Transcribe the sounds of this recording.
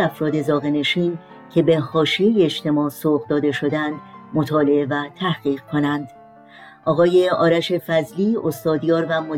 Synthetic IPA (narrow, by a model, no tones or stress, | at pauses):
æfɾɒːd̪e̞zɒːɣene̞ʃiːn | cʰe̞be̞hɒːʃijejeeʃt̪ʰe̞mɒːsoːʁd̪ɒːd̪e̞ʃo̞d̪ænd̪mo̞t̪ʰɒːle̞e̞væt̪ʰæhɡiːʁkʰo̞nænd̪̥ | ʔɒːɣɒːje̞ɒːɾæʃe̞fæzliːost̪ɒːd̪jɒːɾvæmo